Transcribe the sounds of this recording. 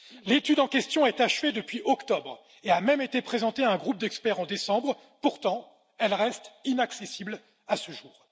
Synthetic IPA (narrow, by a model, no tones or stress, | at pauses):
let̪yd̪ɑ̃kʲɛst̪jɔ̃ɛt̪aʃved̪əpɥiʔɔkt̪ɔbʁ | eamɛmet̪epχezɑ̃t̪eaɛ̃ɡʁup̚d̪ɛkspɛʁɑ̃d̪esɑ̃bʁ | puʁt̪ɑ̃ | ɛlʁɛst̪inaksesibl | asəʒuːʁ